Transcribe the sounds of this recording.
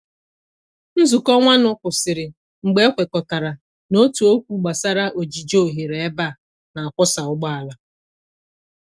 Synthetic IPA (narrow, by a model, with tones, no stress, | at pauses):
n̩˦zʊ˨kɔ˦ŋʷa˦nʊ˨kʷʊ˨sɪ˨ɾɪ˨ | ŋ͡m̩˨ɡ͡be˦e˦kʷe˨kɔ˨ka˨ɾa˨ | no˦tu˨o˦kʷu˦ɡ͡ba˨sa˦ɾa˦ʔo˨d͡ʒi˨d͡ʒo˦˨ɦe˨ɾe˨e˦ba˦˨ | na˨a˨kʷɔ˦sa˨ʊ˦ɡ͡ba˦a˨la˨